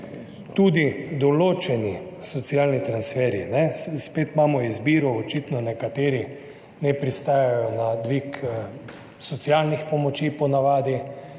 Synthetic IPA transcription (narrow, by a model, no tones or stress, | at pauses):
t̪uːd̪id̪ɔloːt͡ʃɛnisɔt̪sialnit̪ɾansfɛɾinɛsspeːt̪maːmɔizbiːɾɔɔt͡ʃit̪nɔnɛkat̪eːɾi | nɛpɾist̪aːjajɔnad̪ʋik | sɔt̪sialnixpɔmɔt͡ʃipɔnaʋaːd̪i